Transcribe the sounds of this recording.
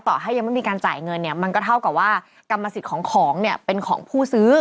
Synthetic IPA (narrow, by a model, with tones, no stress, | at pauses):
t̪ɔː˨˩ɦa˥˩jːa˧ma˥˩jmiː˧kaː˧nt͡ɕaː˨˩jŋɤ˧nːi˥˩ɐma˧nkɔː˥˩t̪ʰa˥˩wka˨˩p̚waː˥˩ | ka˧mːa˧si˨˩kʰɔː˩˦ŋkʰɔː˩˦ŋni˥˩ɐpe˧nkʰɔ̰ː˩˦ŋpʰuː˥˩sɯː˦˥